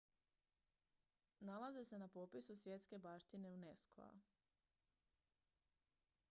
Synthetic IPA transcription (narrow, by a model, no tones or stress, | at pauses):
nalazese̞napo̞pisusʋje̞t̪ske̞baːʃt̪ine̞uneskʰo̰a̰